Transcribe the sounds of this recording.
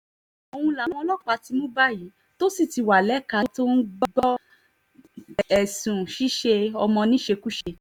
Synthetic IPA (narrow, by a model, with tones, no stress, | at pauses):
o˧w̃ũ˧la˨ñ˨˧ɔ˧lɔ˦˨k͡pa˨˧ti˨˧˦mõ˦ba˦ji˨˦ | to˦si˦˨ti˧wa˨lɛ˨˦ka˧˦to˦n̩˦ɡ͡bɡɔ˦ | ɛ˨sũ˨ʃi˦ʃe˧ɔ˧mɔ̃˧nĩ˦ʃe˧ku˦ʃe˧